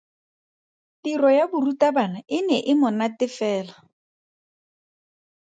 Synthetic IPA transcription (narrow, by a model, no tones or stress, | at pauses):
tirɔjabʊrutʼabanaɪnɛʔɪmʊnatɪfɛːla